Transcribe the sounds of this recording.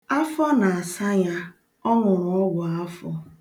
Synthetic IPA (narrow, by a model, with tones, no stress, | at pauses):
a˦fɔ˦na˨a˨sa˦ɲa˦ | ɔ˦ŋʷʊ˨ɾʊ˨ɔ˦ɡʷʊ˨a˦fɔ˦